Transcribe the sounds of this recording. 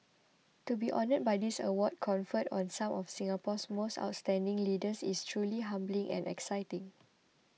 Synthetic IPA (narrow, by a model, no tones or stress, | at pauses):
tubiʔɔnət̚bajdisə̰wɔd̚kʰɔ̃nfətɔ̰̃nsãmɔfsĩŋapɔsmosta̰ʊt̚stɛ̃ndɪ̃ŋlidəsistʰɹuliɦãmblĩŋʔɛ̰̃nʔɛ̰ksajtɪ̃ŋ